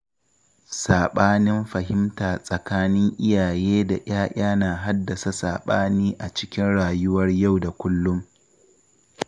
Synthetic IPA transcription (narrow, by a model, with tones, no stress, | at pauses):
saː˨ɓaː˦nɪ˦mɸɐ˨hɪ˦mtaː˨sʼɐ˨kaː˦nɪ˦ŋʔɪ˦jaː˨jeː˦da˨j̰ʔaː˦ʔaː˦naː˨ɦa˦dːɐ˨sa˦sa̰ː˨ɓaː˦niː˦ʔa˨t͡ʃɪ˦kʲɪ˦nɽaː˨jʊ˦wɐ˦rja˦˨wda˨kʷʊ˦lːʊ˦m